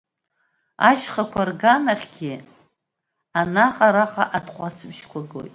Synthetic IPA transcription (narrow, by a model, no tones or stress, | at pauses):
a̰ʃχakʷʰarɡanaχʲɡʲi | anaqʼaɾaqʼaʔatʰʼqʷʼat͡sʰɨbʃkʷʰaɡo̰jtʼ